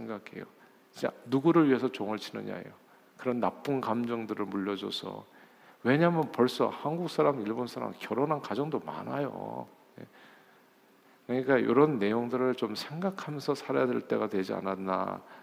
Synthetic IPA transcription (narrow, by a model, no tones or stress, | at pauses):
eŋɡakʰe̞̰jo | id͡ʑa̰nuɡuɾɯɭɥiɦe̞sʰʌt͡ɕoŋʌɭt͡ɕʰinɯ̰ɲa̰jo̰ | kɯɾʌnːap͈unkamd͡ʑʌŋdɯɾɯɭmuʎːʌd͡ʑo̰sʰʌ̰ | we̞ɲamjʌnpʌɭs͈ʌ̰hanɡuk̚s͈aɾamiɭbonsʰaɾa̰mkjʌɾonɦankad͡ʑʌŋdoma̰najo̰ | je̞̰ | kɯɾʌɲik͈ajo̰ɾʌnːe̞joŋdɯɾɯɭt͡ɕomsʰe̞ŋɡakʰamjʌnsʰʌsʰaɾajadwe̞ɭt͈e̞ɡadwe̞d͡ʑia̰nanːa̰